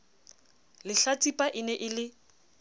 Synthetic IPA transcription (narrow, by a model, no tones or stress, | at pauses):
lɪɬat͡sʼipʼaʔɪnɛʔɪlɪ